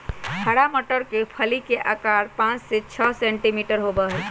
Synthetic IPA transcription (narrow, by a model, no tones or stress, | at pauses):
hʰəɽaməʈəɾkepʰəlikeʔakaɾpãt͡ʃset͡ʃʰəsɛ̃ɳʈimiʈəɾɦobəɦɛ